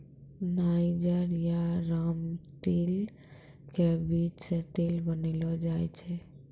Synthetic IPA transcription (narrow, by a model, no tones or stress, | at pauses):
naid͡ʒəɾjaɾamʈel | kebit͡ʃseʈelbənelɔd͡ʒajt͡ʃʰɛ